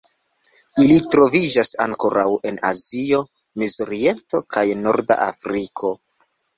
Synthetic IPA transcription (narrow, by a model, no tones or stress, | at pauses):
ilitɾo̞vid͡ʒasa̰ŋko̞ɾawe̞na̰zio̞ | mizoɾie̞nto̞kʰajno̞ɾda̰ʔa̰fɾikʰo̞